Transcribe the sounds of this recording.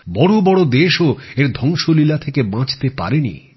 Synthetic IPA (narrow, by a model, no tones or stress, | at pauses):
bɔɽobɔɽod̪eʃoeɾd̪ʱɔŋʃolilat̪ʰekebãt͡ɕt̪epa̰ɾenḭ